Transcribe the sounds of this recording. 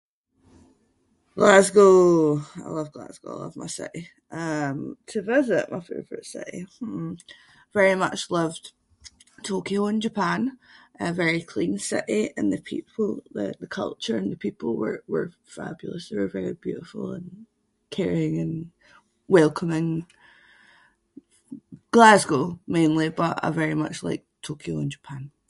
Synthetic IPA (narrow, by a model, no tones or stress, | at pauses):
ɡ̥lˠasɡoaɪlˠʌvɡlˠa̰sɡ̥o̰aɪlˠʌ̰vma̰ɪsɪ̰ʔɪ | ʔʌ̃mtʰəvɪzɪʔmaɪfḛvə˞ə̰ʔsɪ̰ʔɪ̰ | vɛɹimʌ̰t͡ʃlˠʌv̥ | tʰokioɪ̃nd͡ʒəpʰãnʔəvɛɹikʰl̥ĩnsɪ̰ʔɪə̃nðəpʰḭpʰlˠðə̰ðəkʰʌ̰lˠt͡ʃə˞ə̃nðəpʰipəl̩ˠwə̰˞wə̰˞ | fa̰bjl̩ˠəsðewə˞vɛɹib̥jʉ̰ʔɪfə̰l̩ˠə̰̃n | kʰɛɹiɪ̃ŋə̃n | wɛlˠkʰəmɪ̃ŋ | ɡ̥lˠazɡomẽnlˠib̥ʌʔa̰ə̰vɛɹimʌ̰t͡ʃlˠa̰ɪk̚tʰokʰioɪ̃nd͡ʒəpʰãn